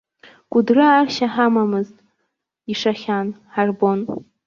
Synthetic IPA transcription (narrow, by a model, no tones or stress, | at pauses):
kʷʼʊdrɨarʃaħamamɨztʼ | iʂaχʲanħarbon